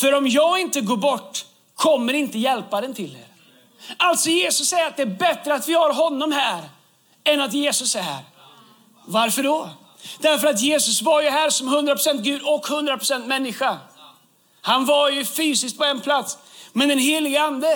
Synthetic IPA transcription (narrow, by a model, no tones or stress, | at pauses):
fœɾɔmjɑːɡɪnt̪əɡoːɾbɔʈː | kʰɔmːəɾɪnt̪əjɛlpad̪ɛnt̪ʰɪlːḛːɾ | alt̪sɔjeːsɵsːɛjəɾat̪̚d̪ɛæːɾbɛt̪ɾəat̪vɪhaɾɦɔnːɔmɦæːɾ | ɛnat̪jeːsɵsɛɦæ̰ːɾ | vaɾfœɖɔ | d̪̥æɾfœɾat̪jeːsɵsvaɾjɵɦæːɾsɔmɦɵnd̪ɾapʰɾʊsɛnt̪ɡʉ̟ːd̪ɔkhɵnd̪ɾapɾʊsɛnt̪mɛnːɪɧa | hanvajɵfyːsɪskt̪̚pʰɔɛnpʰlat̪smɛnd̪ɛnɦeːlɪɡəand̪ə